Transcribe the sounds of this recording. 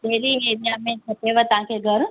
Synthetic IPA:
t̪eːɾieːɾijamẽt͡ʃʰɐteʋət̪ɐʋ̤ãkʰeɡʱɐɾ

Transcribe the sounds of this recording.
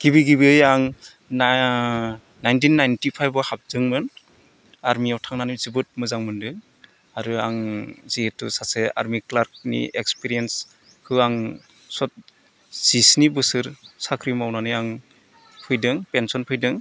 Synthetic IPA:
ɡ̥ibiɡibiɯjaŋ | najntinːajntipʰajbɔhap̚zɯŋmɯn | aɾmiawtʰaŋnanɯzibɯt̚mɯzaŋmɯndɯ | aɾɯaŋzietːusasea̰ɾmiklaɾk̚nḭḛkspiɾijens | kʰɯaŋ | sɔt̚ | z̥isnibɯsɯɾsakʰɾimawnanɯjaŋ | pʰɯjdɯŋpensɔnpʰɯjdɯŋ

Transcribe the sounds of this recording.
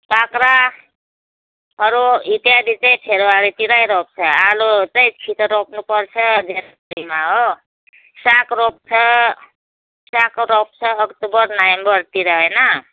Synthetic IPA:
pakɾa | ʌɾuit̪ijad̪it͡sʌj̃ʈʰeɾoaɾit̪iɾajɾop̚t͡sʰʌalot͡sʌj̃kʰit̪ɾop̚ʰnupʌrt͡sʰʌd̪ʱeɾapɾimaɦo | sakɾop̚t͡sʰʌ | sakɾop̚t͡sʰʌːkt̪ubʌɾnajmbʌɾt̪iɾʌɦʌjnʌ

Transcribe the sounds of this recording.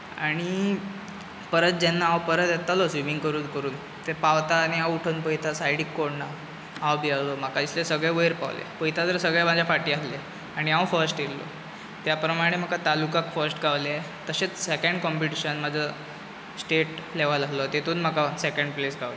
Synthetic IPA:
aɽ̃i | pəɾət̪̚d͡ʑɛnːaawpəɾət̪jet̪ːalosʋimiŋɡkəɾuːnkəɾuːn | t̪epaʋt̪aːñiawuʈʰənpəjt̪ʰasajɽikːoɽna | awbialom̤akad̪islesəɡɭeʋəjɾpa̰ʋlḛpəjt̪ʰad͡zəɾsəɡɭjamad͡ʑjafaʈiːasle | aɽ̃iãʋfəɾsʈjello̰ | t̪japɾəmaɽ̃em̤əkat̪alukakfəɾsʈɡʱaʋlea | t̪əɕet͡ssekəɳɖkɔmpiʈiɕənmad͡zʱə | sʈeʈleʋalaslɔt̪et̪ʰuːnm̤akasekəɳɖplesɡʱaʋlo

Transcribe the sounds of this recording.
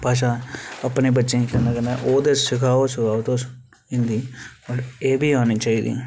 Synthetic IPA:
paːʃ̬ãːəpneːbətːʃẽːikɛnãːkənaʔoːd̪eːsɪkʰaːoːsɪkʰaːot̪oː | ɪ̃nd̪iːoːɾeːbʱiːaːniːt͡ʃaːiːd̪ḭː

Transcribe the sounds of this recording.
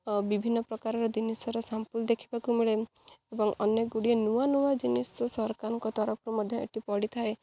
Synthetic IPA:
bibʱinːɔpɾɔkaɾɔɾɔd͡ʒinisɔɾɔsampuld̪ekʰi̥bakumiɭe | ebɔŋɔ̰njeɡuɽienuanuwad͡ʒinisɔsɔɦɾkaɾɔŋkɔt̪ɔɾɔpʰɾumɔd̪ʱjɔḛʈipɔɽit̪ʰae

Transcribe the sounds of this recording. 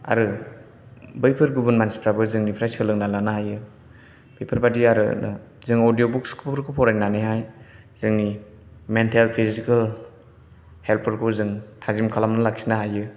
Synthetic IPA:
a̰ɾɯ | bɯjpʰɯɾɡubunmansi̥pʰɾabɯzɯŋnipʰɾajsɯlɯŋnalanahajɯ | b̥ejpʰɯɾbadiaɾɯ̰nɯ̰ | zɯŋodijobuk̚skʰuppʰɾkʰupʰɔɾajnaniɦaj | z̥ɯŋni | mentʰalpʰizikal | helpʰɯɾkʰuzɯŋtʰazimkʰalamnɯlaksinaɦajɯ

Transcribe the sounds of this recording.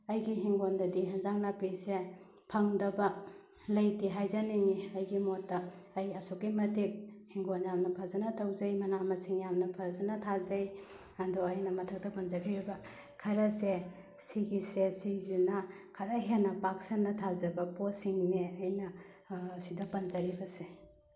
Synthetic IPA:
ɐjɡiɦiŋɡondɐdiɦɐnzaŋnapise | pʰɐŋdɐbɐ | lɐjtiɦajzaniŋiɐjɡimotːɐːjɐsokːimɐtik̚hiŋɡonjamnɐpʰazɐnɐtawzɐjmɐnamɐsiŋjamnɐpʰazɐnɐtʰazɐj | ɐdɔɐjnɐmɐtʰɐk̚tɐpɐnzɐɡiɾibɐ | kʰɐɾɐse | siɡisesizuna | kʰɐɾɐɦenːɐpaksɐnːɐtʰazɐbɐposiŋneɐjnɐ | sidɐpɐnzɐɾibɐse

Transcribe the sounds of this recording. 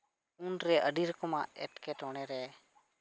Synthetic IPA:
unɾɛʔəɖiɾɔkɔma̰ɛ̰ʈkɛʈɔɽ̃ɛɾɛ

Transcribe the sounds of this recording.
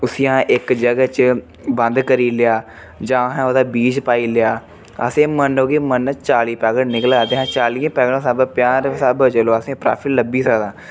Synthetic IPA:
ʊsiːaãːʔɪkd͡ʒəɡət͡ʃ | bə̃nd̪kəɾiːlɪjaː | d͡ʒãːɦãːod̪aːbiːt͡ʃpaːiːlɪjaː | ə̰sẽːmənoːɡiːmənt͡ʃaːliːpɛːɡəʈnɪkəlɡaːd̪eːɦãːt͡ʃaːlijãːpɛːɡəɽãːsaːbpɪjaːɾsaːbət͡ʃəloːəsẽːpɾa̰ːpʰɪlləbiːsəd̪ãː

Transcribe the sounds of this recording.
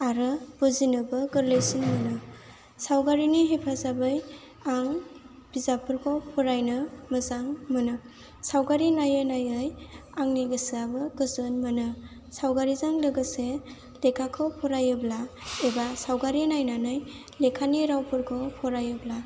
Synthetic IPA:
aɾɯb̥ɯzinɯbɯɡɯɾlejsinmɯnɯ | sawɡaɾiniɦepʰazabɯj | aŋ | b̥izapɯɾkʰɔpʰɔɾajnɯməzaŋmɯnɯ | sawɡaɾinajɯnajɯjaŋniɡɯsɯabɯɡɯzɯnmɯnɯ | sawɡaɾizaŋlɯɡɯse | lekʰakʰɯwpʰɔɾajɯblaebasawɡaɾinajnanɯj | lekʰaniɾawpʰɯɾkʰɔpʰɔɾajɯbla

